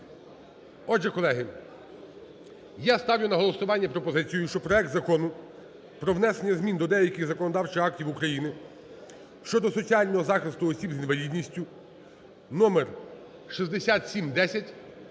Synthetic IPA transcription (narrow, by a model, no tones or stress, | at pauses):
ɔʒɛkɔlˠɛɦɪ | jast̪ɑwjʊnɐɦɔlˠɔsʊʋɑnʲːɐpɾɔpɔzɪt͡sʲijʊʃt͡ʃɔpɾɔɛk̚t̪zɐkɔnʊ | pɾɔʋnɛsenʲːɐzmʲind̪ɔd̪ɛjɐkʲɪɣzɐkɔnɔd̪ɑwt͡ʃɪxɑk̚tʲiwukɾɐjinɪ | ʃt͡ʃɔd̪ɔsɔt͡sʲiɑlʲnɔɦɔzɑxɪst̪ʊɔsʲibzinʋɐlʲid̪nʲisʲtʲʊ | nɔmer | ʃizd̪esʲat̪sʲimd̪ɛsʲɐtʲ